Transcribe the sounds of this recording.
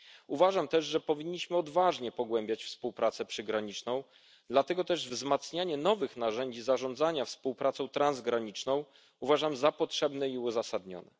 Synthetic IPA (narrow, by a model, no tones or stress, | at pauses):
uvaʐamt̪ɛʐʐɛpɔvʲiɲːiɕmɘɔd̪vaʐɲɛpɔɡwɛmbʲjat͡ɕfspuwpɾat̪sɛpʂɘɡɾaɲit͡ʂnɔ̃w̃ | d̪lat̪ɛɡɔt̪ɛʐvzmat̪sɲaɲɛnɔvɘxnaʐɛɲd͡ʑizaʐɔ̃nd̪zaɲafspuwpɾat̪sɔ̃w̃t̪ɾanzɡɾaɲit͡ʂnɔ̃w̃ | uvaʐamzapɔtʂɛbnɛiuzasad̪ɲɔ̰nɛ